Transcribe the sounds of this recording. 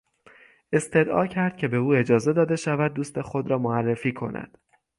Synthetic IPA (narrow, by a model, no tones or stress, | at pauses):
e̞st̪e̞d̪ʔɒ̰ːcʰæɾd̪̥̚cʰe̞be̞uːe̞d͡ʒɒːze̞d̪ɒːd̪e̞ʃævæd̪̚ːuːst̪e̞xo̞d̪ɾɒːmoærːe̞fiːkʰo̞̰nʔæ̰d̪̥